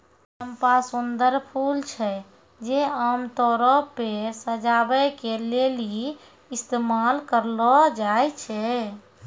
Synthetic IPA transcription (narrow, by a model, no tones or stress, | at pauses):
əmpasund̪əɾpʰult͡ʃʰɛ | d͡ʒeamt̪ɔɾɔpesəd͡ʒabɛkeleli | ist̪emalkəɾlɔd͡ʒajt͡ʃʰɛ